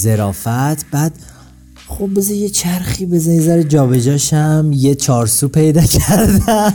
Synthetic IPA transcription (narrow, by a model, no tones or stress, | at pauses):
zeɾɒːfæt̪ʰbæːd̪̥ | χo̞b̚be̞zɒje̞t͡ʃʰæɾxiːbe̞zæezæɾed͡ʒɒːbe̞d͡ʒɒːʃæmjet͡ʃʰɒːɾsuːpʰe̞jd̪ɒːcʰæɾd̪æ